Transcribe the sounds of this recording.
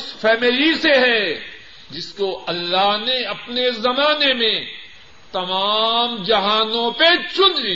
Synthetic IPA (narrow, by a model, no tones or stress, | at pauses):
sfʰɛːmɪliseɦɛ | d͡ʒɪskoɐlːaɦneɐpnezɐmaːnemẽ | t̪ɐmaːmd͡ʒɐɦaːnõpet͡ʃʊnli